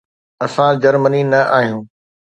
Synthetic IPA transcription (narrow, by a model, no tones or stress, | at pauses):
ɐsãd͡ʑɐɾməninɐʔaːɦijũː